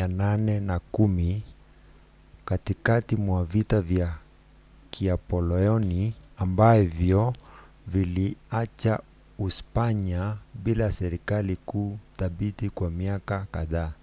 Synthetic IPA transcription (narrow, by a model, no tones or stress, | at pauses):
ananɛnakumi | katikatimwavitavja | kʰiapɔlɛɔniambavjɔ | viliat͡ʃa | uspaɲaɓilasɛɾikalikuθaɓitikwamiakakaðaː